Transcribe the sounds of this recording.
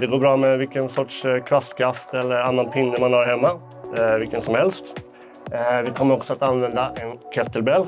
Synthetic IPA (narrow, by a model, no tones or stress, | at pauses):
d̪ɛɡoːɾbɾɑːmɛvɪlkənsɔʈʂkʰɾast̪kʰɾaft̪ɛlːəɾanːanpʰɪnd̪əmanhɑɾhɛmːa | vɪlkənsɔmhɛlst̪ | vɪkʰɔmːəɾɔksɔat̪anvɛnd̪aʔɛnkʰœt̪ːəlbɛl